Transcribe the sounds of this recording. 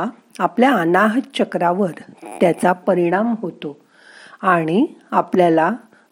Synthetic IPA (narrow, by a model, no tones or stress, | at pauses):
apljaːnaɦt͡ɕəkɾaʋəɾt̪jat͡sapəɾiɽ̃amɦot̪o | aɽ̃iapljala